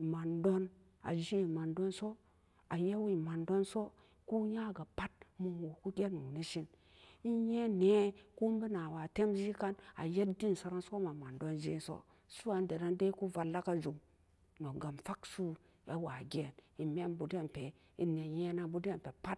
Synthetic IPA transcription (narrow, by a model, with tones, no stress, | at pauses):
ma˨ndo˦n | a̰˨d͡ʒi˦˨ma˨ndo˦nso˦ | a˨je˦wi˨ma˨ndo˦nso˦ | ku˦ja˦˨ɡa˨pa˦t̚mu˨wo˨ku˦ɡʲe˦nu˨ni˦ʃi˦n | i˦je˦ne˨˦ku˦mbi˦na˨wa˨te˦md͡ʒi˦ka˦na̰˨je˦tdi˦n˨sa˦ɾa˦nso˦ma˨ma˨ndo˦nd͡ʒḭ˦so̰˦ | su˦a˨n˦de˨da˦nde˦ku˦va˨lːa˦ka˦d͡ʒu˨m | no˨ɡa˨mfa˦ksu˦ | e˦wa˨ɡʲe˨ni˨me˦nbu˨de˦˨npe˨ | i˨˦ne˨je˦na˨bu˦de˦m˨pe˨pa˦t̚